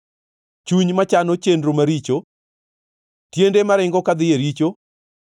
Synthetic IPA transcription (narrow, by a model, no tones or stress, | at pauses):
t͡ʃuɲmat͡ʃanɔt͡ʃendɾomaɾit͡ʃo | tjendemaɾɪŋɡɔkad̪ɪjeɾit͡ʃo